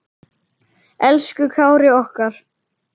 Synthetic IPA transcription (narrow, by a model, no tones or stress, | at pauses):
ɛlskʏkʰaːwɾɪɔhkaɾ̥